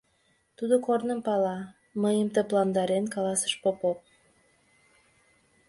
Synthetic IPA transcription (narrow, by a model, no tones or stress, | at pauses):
t̪ud̪okornəmpɑlɑ | məjəmt̪əplɑnd̪ɑɾenkɑlɑsə̥ʃpopop̚